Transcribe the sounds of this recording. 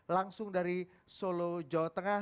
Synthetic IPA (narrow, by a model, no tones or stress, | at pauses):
laŋsʊŋdaɾi | solod͡ʒawat̪əŋa